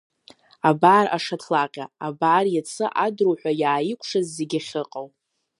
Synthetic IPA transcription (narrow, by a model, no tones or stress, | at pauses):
abaːraʂatʰlaqʲʼaabaʕrjat͡sʰɨʔadruħʷajaːjɪkʷʰʂazːeɡʲaχʲɨqʼawʼ